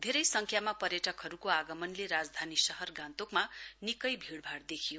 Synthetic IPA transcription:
d̪ʱeɾʌjsʌŋkʰjamapʌɾjʌʈʌkɦʌɾukoaɡʌmʌnleɾad͡zd̪ʱanisʌɦʌrɡãnt̪okmanikʌjbʱiɽbʱaɽd̪ekʰijo

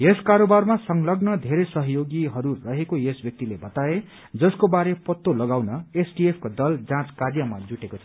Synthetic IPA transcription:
jeskaɾobarmasʌŋlʌɡnʌd̪ʱeɾesʌɦjoɡiɦʌɾurʌɦekojesbjʌk̚t̪ilebʌt̪ae | d͡zʌskobaɾepʌt̪ːolʌɡawnʌesɖiepʰkod̪ʌld͡zãt͡skaɾjʌmad͡zuʈekot͡sʰʌ

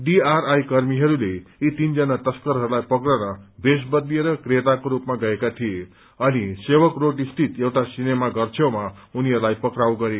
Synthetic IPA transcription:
ɖiaɾajkʌrmiɦʌɾuleit̪ind͡zʌnat̪ʌskʌɾɦʌɾulajpʌkrʌɾʌbesbʌd̪lieɾʌkret̪akoɾupmaɡʌekat̪ʰije | ʌnisewʌkroʈist̪ʰit̪ewʈasinemaɡʌrt͡sʰewma | uniɦʌɾulajpʌkɾawɡʌɾe

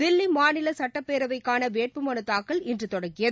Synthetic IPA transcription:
ɪlːimaːnɪlɐsɐʈːɐpːeːɾɐʋɐɪkːaːnɐʋeːʈ̚pɯmɐnɐt̪ːaːkːɐɭɪndrɯt̪ɔɽɐŋɡɪjɐð

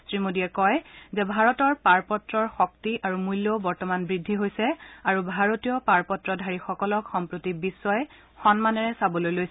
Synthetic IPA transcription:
sɹimodiɛkɔjzɛbʱaɹɔtɔɹpaɹpɔtɹɔɹxɔktiʔaɹumujlːobɔɹtɔmanbɹidʱːiɦojsɛaɹubʱaɹotijɔpaɹpɔtɹɔdʱaɹixɔkɔlɔkxɔmpɹotibisːɔjɛ | xɔnmanɛɹɛsabɔlojlojs

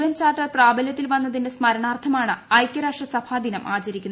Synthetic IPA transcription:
ʋɐnt͡ɕaːrʈːɐrpraːbɐljɐt̪ːilʋɐnːɐðindesmɐɾɐɳaːrt̪ʰɐmaːɳɨɐjkʲjɐɾaːkʂɐsɐbʰaːd̪ʱinɐmʔaːt͡ɕɐɾikʲːun

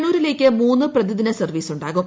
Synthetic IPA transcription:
nuːɾile̞ːkʲːɨmuːnːɨprɐd̪iðinɐsɐrʋiːsuɳɖaːɣum

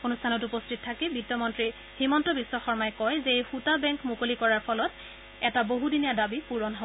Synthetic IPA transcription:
onustʰanɔtupɔstʰit̚tʰːakɛbitːɔmɔntɹi | himɔntɔbisːɔxɔɹmajkɔjzeejxutabɛŋkmukolikɔɹaɹpʰɔlɔt | ɛtaboɦudinijadabipuɹɔnɦɔ

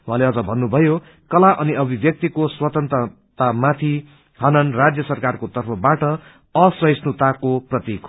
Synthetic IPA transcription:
w̃ɦãleʌd͡zʌbʱʌnːubʱʌjo | kʌlaʔʌniʌbʱibjʌk̚t̪ikoswʌt̪ʌnt̪rʌ | t̪amat̪ʰi | ɦʌnʌnrad͡zjʌsʌrkarkot̪ʌrpʰʌbaʈʌ | ʌsʌjsnut̪akoprʌt̪ik

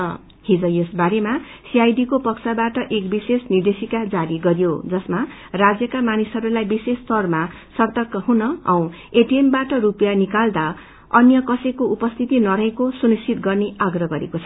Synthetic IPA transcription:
ʌ | hid͡zʌjesbaɾemasiajɖikopʌksʰabaʈʌʔekbisesnird̪esikad͡zaɾiɡʌɾijod͡zʌsma | rad͡zjʌkamanisɦʌɾulajbisest̪ʌrma | sʌrt̪ʌkːʌɦunʌʌ̰w̃ | eʈiembaʈʌɾupjanikald̪a | ʌnjʌkʌsekoupʌst̪ʰit̪inʌɾʌɦekosunist͡sʰit̪ɡʌrneaɡrʌɡʌɾḛkot͡sʰʌ

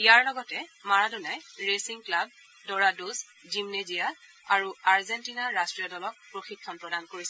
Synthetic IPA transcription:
ijaɹlɔɡɔtɛmaɹadunajɹesiŋklab̚ | dɔɹadus | d͡ʒimnezija | aɹuaɹzɛntinaɹastɹijɔdɔlɔk̚pɹoxikʰːɔnpɹɔdankoɹisɛ

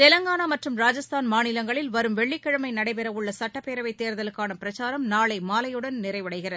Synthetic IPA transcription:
t̪ɛlɐŋɡaːnamɐʈrɯmɾaːd͡ʒɐst̪aːnmaːnɪlɐŋɡɐɭɪlʋɐɾɯmʋɛɭːɪkːɐɻɯmɐɪnɐɽɐɪpɛɾɐʋɯɭːɐsɐʈːɐpːeːɾɐʋɐɪt̪ːeːɾðɐlɯkːaːnɐpɪɾɐt͡ʃaːɾɐmnaːɭɐɪmaːlɐjɯɽɐnnɪɾɐɪʋɐɽɐɪɣɪrɐð

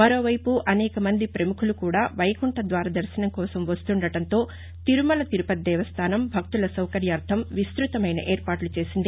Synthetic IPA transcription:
mɐɾo̞ːʋɐjpuʔɐnɛːkɐmɐnd̪ipɾɐmukʰulukuːɽaːʋɐjkuɳʈɐd̪ʋaːɾɐd̪ɐɾsɐnɐmkɔːsɐmʋɐst̪uɳɖɐʈɐnt̪o̞ː | t̪iɾumɐlɐt̪iɾupɐd̪ɛːʋɐst̪ʰaːnɐmbʱɐk̚t̪ulɐsɐwkɐɾjaːɾd̪ʰʱɐmʋist̪ɾut̪ɐmɐjnɐ̰ʔeːɾpaːʈlut͡ʃe̞ːsind̪i

